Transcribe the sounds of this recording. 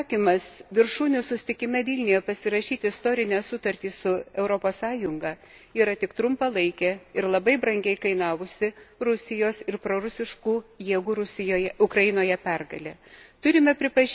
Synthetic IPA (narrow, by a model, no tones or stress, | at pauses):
kʲiːmɐsʋʲɪɾʃuːnʲʊsʊsʲt̪ʲɪkʲɪmʲɛʋʲiːlʲnʲɪjɛpɐsʲɪɾɐʃʲiːt̪ʲɪɪst̪oːɾʲɪnʲæːsʊt̪ɐɾʲt̪ʲiːsʊɛʊɾopoːssɑːjʊŋɡɑːiːɾɐt̪ʲɪkt̪ɾʊmpɐlˠɐɪkʲɛɪɾlˠɐbɐɪbɾɐŋʲɡʲɛɪkɐɪnɑːʋʊsʲɪɾʊsʲɪjoːsɪɾpɾoːɾʊsʲɪʃkuːjiɛɡuːɾʊsʲɪjoːjɛʊkɾɐjɪnoːjɛpʲɛrɡɐlʲɛt̪ʊɾʲɪmʲɛpʲɾʲɪpɐʒʲ